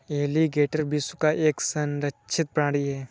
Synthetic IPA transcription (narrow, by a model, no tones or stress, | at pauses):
eːliɡeːʈəɾbɪsukaʔeːksɐ̃nɾət͡ʃʰɪt̪̚pɾãːɽiɦɛː